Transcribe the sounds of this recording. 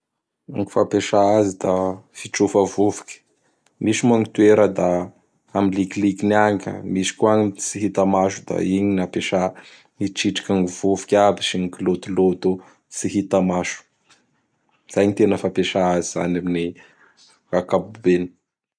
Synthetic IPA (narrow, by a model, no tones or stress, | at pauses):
aŋi̥fapeʃaazid̪̥afiʈ͡ʂufəvuvu̥kʲə̥ | miʃimaŋit̪ueɾəd̪a | amiliklikinaŋkə̰misi̥kuaɲit͡siɦit̪amaʃud̪a̰iɲinapeʃa | niʈ͡ʂiʈ͡ʂḁkʲaŋiv̥uvu̥kʲabiʃiŋikilot̪ilot̪o | t͡siɦit̪amaʃu̥ | z̥ajɲit̪enəfapeʃaaziz̥a̰namini | kakabubeni̥